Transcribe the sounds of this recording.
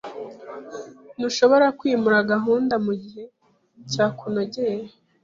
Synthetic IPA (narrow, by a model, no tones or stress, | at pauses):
nuʃo̞βo̞ɾakwiːmuɾaɡaɦuːndamuɟiɦe̞ | caːkunoɟeːɾe